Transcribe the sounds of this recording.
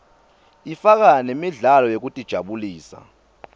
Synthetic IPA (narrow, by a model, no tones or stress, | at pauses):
ifak̬anemiɮalɔjok̬utʼid̥ʒ̥ʱaɓuliːsa̰